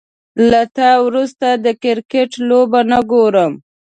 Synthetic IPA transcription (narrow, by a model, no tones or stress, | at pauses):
lat̪awɾust̪ad̪əkɪɾkeʈlobanaɡoɾəm